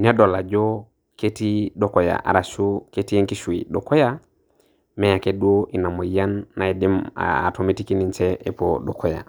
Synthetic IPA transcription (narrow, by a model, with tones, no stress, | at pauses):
ne˦do˨la˨d͡ʒo˦ | ke˦ti˦do˦ko˨ja̰ʔa̰˨ɾa˨ʃo˦ke˦ti˦je˦ŋki˦ʃu˨ḭ˨do˨ko˦ja˦ | me˦ja˨kedu˦oʔi˨na˨mo˨ja˦nːa˨i˨di˦m̰a̰˨tʰo˨mi˦tiki˦ni˦nt͡ʃɛʔe˨poɗɔ˨kʰo˨ja̰˨